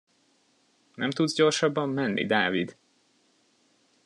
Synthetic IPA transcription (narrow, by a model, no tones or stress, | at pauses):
nʔɛ̰mt̪ud̪zɟo̞rʃɒbːɒmːɛnːʔḭd̪aːvid̪